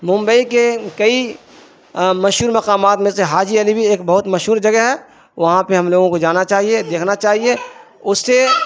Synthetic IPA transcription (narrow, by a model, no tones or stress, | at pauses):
mʊ̃mbəikekɐi | mɐʃɦuːɾmɐqaːmaːt̪mẽseɦaːd͡ʒiɐlibʱieːkbɐɦʊt̪mɐʃɦuːɾd͡ʒɐɡəɦɛ | ʋɐɦãpeɦɐmloːɡõkod͡ʒaːnat͡ʃaːɦied̪eːkʰnat͡ʃaːɦie | ʊsːe